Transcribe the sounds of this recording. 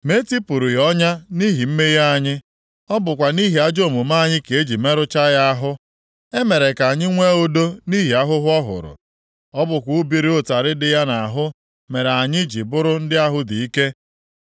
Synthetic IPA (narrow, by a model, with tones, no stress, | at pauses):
me˦ti˦pʊ˨ɾu˨jɔ˦ɲa˦ni˦ɦi˨m̩˦me˦ja˦a˦˨ɲɪ˦ | ɔ˦bʊ˨kʷa˨ni˦ɦi˨a˦d͡ʒo˦˨mu˨ma˦˨ɲɪ˦ke˨e˦d͡ʒi˨me˦ɾʊ˦t͡ʃa˦ja˦a˦ɦʊ˦ | e˦me˨ɾe˨ka˨ɲɪ˦ŋʷe˦o˦do˦ni˦ɦi˨a˦ɦʊ˦ɦʊ˦ɔ˦ɦʊ̰˨ɾʊ̰˨ | ɔ˦bʊ˨kʷu˦˨˦bi˨ɾi˦o˦ta˨ɾɪ˦dɪ˨ja˦na˨ɦʊ˦ | me˨ɾa˨ɲɪ˦d͡ʒi˨bʊ˦ɾʊ˦n̩˦dɪ˦a˦ɦʊ˦di˨i˦ke˦